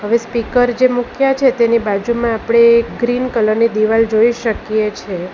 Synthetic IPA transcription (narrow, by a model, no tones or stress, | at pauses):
ɦəʋespikəɾd͡ʒemukʰjat͡ʃʰet̪enibad͡ʒumãːpɽ̃ekɡɾinkələɾnid̪iʋald͡ʒoiʃəkjet͡ʃʰe